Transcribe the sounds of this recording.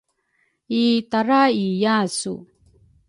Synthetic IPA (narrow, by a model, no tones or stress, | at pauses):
it̪aɾaijasṵ